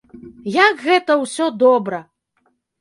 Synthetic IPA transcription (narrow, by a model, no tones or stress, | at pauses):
jakɣɛt̪ɐwsʲɔd̪ɔbɾɐ